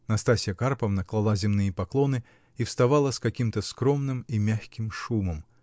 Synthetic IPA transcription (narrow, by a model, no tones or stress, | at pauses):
nɐst̪asʲɪjəkarpəvnɐklˠalˠazʲɪmnɨjəpaklˠɔnɨ | ifst̪avalˠəskakʲimt̪əskɾɔmnɨmimʲaxʲkʲimʂuməm